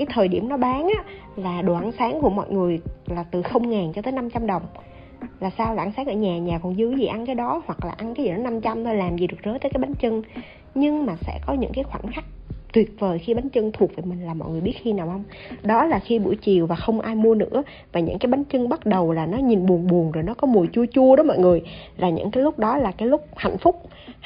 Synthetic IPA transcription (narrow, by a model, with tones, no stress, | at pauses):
kaː˨˦jt̪ʰəː˨˩jɗḭ˧˩əmnɔ˨˦ɓaː˨˦ŋʔaː˧˥ | laː˨˩ɗo˨˩ʔa˧nsaː˨˦ŋku˧˩əmɔ̰˧˨jŋɨ˨˩əjlaː˨˩t̪ɨ˨˩xə˧wŋ͡mŋaː˨˩nt͡ɕɔ˧t̪əː˨˦jna˧mt͡ɕa˧mɗə˨˩wŋ͡m | laː˨˩saː˧wlaː˨˩ʔa˧nsaː˨˦ŋʔəː˧˩ɲaː˨˩ɲaː˨˩kɔ˨˩nzɨ˨˦jzi˨˩ʔa˧nkaː˨˦jɗɔ˨˦hwa˨˩k̚laː˨˩ʔa˧nkaː˨˦zi˨˩nɔ˨˦na˧mt͡ɕa˧mt̪ʰo˧jlaː˨˩mzi˨˩ɗɨ˨˩ək̚zəː˨˦t̪əː˨˦kaː˨˦jɓa˨˦ŋt͡ɕə˧ŋ | ɲɨ˧ŋmaː˨˩sɛ̰˧˥kɔ˨˦ɲɨ̰˧˥ŋkaː˨˦jxwaː˧˩nxa˦˥k̚t̪wi˨˩ət̚vəː˨˩jxi˧ɓa˨˦ŋt͡ɕə˧ŋt̪ʰu˨˩ək̚vəː˨˩jmï˨˩ŋ̟laː˨˩mɔ̰˧˨jŋɨ˨˩jɓi˦˥ət̚xi˧naː˨˩whə˧wŋ͡m | ɗɔ˨˦laː˨˩xi˧ɓṵ˧˩jt͡ɕi˨˩əwvaː˨˩xə˧wŋ͡mʔaː˧jmu˧ənɨ̰˧˥ə | vaː˨˩ɲɨ̰˧˥ŋkaː˨˦jɓa˨˦ŋt͡ɕə˧ŋɓa˦˥t̚ɗə˨˩wlaː˨˩nɔ˨˦ɲi˨˩nɓu˨˩ənɓu˨˩əŋzo˨˩jnɔ˨˦kɔ˨˦mu˨˩əjt͡ɕu˧ət͡ɕu˧əɗɔ˨˦mɔ̰˧˨jŋɨ˨˩əjlaː˨˩ɲɨ̰˧˥ŋkaː˨˦jlʊ˦˥k͡p̚ɗɔ˨˦laː˨˩kaː˨˦jlʊ˦˥k͡p̚ha̰˧˨jŋ̟fʊ˦˥k͡p̚